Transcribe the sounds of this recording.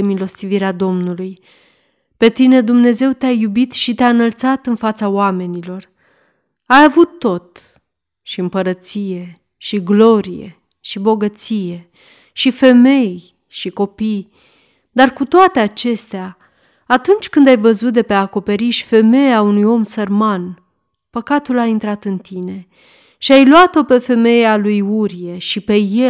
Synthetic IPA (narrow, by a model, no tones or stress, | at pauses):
emilo̞st̪iviɾead̪o̞mnuluj | pe̞t̪ine̞d̪umne̞ze̞wt̪eajubit̪ʃit̪eaɨnəlt̪sat̪ɨnfat̪saoame̞nilo̞r | ajavut̪ːo̞t̪ | ʃiɨmpəɾət̪sije̞ | ʃiɡlo̞ɾije̞̰ | ʃibo̞ɡət̪sije̞ | ʃife̞me̞j | ʃiko̞pij | d̪arkut̪oat̪e̞at͡ʃe̞st̪eaː | t̪unt͡ʃʲkɨnd̪ajvəzut̪̚d̪e̞peako̞pe̞ɾiʃi̥fe̞me̞jeaunujo̞msərman | pəkat̪ulaint̪ɾat̪ɨnt̪ine̞ | ʃiajlwat̪o̞pe̞fe̞me̞jealujuɾije̞ʃipe̞je